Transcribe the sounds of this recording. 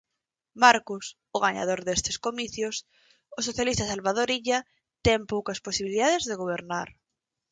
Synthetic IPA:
maɾkʊs | ʊɣaɲa̰ð̞oɾðest̪e̥skomiθjʊs | ʊsoθjalist̪asalβað̞oɾiʎa | t̪ɛmpowkɐsposiβiliðaðezðeɣ̞oβ̞eɾnaɾ

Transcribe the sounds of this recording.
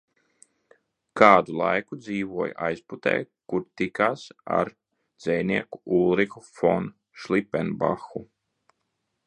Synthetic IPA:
kaːd̪ulˠa̰jkud̪ziːvuɔjʔajsput̪ɛ̰jkuɾt̪ikaːsa̰ɾ | d̪z̥ɛjnʲiɛkuulˠɾikufɔ̰n | ʃlipːɛnba̰xu

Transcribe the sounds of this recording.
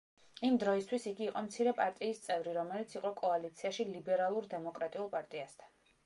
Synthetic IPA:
imd̪ɾɔist̪ʰwisiɡiːqʼɔmt̪sʰiɾɛpʼaɾt̪ʼiːst̪sʼɛvɾiɾɔmɛlit̪sʰiqʼɔkʼɔalit̪sʰiaʃilibɛɾalˠuɾd̪ɛmɔkʼɾat̪ʼiulˠpʼaɾt̪ʼiast̪ʰḁn

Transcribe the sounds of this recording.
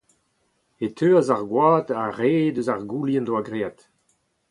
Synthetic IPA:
et̪ʰøːazaʁɡwaːt̪aʁeːd̪øzaʁɡuljɛ̃ndwaɡʁeːat̪

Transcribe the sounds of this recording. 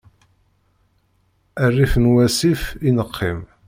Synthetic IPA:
ærːifənwæsifinəqʰːim

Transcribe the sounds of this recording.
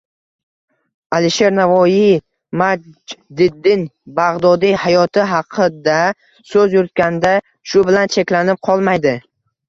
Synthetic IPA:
alɪʃe̞ɾnavɒji | mad͡ʒd̪ɪd̪ːɪnbaʁd̪ɒd̪ihajɒt̪ʰɪɦɑqʰɨd̪a | sɵzjʊɾt̪̚kʲand̪a | ʃʊbɪlant͡ʃʰe̞kʲlanɪp̚qʰɒlˠmajd̪ɪ

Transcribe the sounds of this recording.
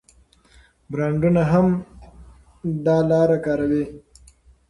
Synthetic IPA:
bɾɑːɳɖunaɦam | d̪ɑlɑːɾakɑːɾawi

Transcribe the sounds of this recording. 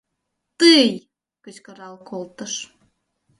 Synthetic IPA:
t̪ɨj | kət͡ɕkəɾɑlkolt̪ə̆ʃ

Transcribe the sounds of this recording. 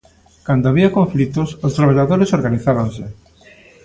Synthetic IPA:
kand̪oaβiakõɱflit̪osost̪ɾaβ̞aʎaðoɾesoɾɣaniθaβanse

